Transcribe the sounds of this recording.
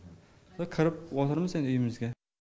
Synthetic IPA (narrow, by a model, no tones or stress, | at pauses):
akʰɨɾɪp̚wɒt̪ʰɪɾmɪzenɵjɪmɪzɡʲa